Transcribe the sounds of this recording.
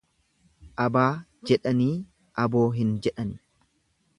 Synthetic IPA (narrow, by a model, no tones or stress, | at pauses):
ʔɐbaːd͡ʒɛᶑɐniː | ʔɐbo̞ːɦɪnd͡ʒɛᶑɐnɪ